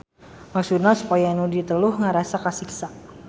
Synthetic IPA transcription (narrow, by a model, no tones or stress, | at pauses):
maksut̪nasu̥pajanudit̪əlʊhŋaɾasakasiksaʔ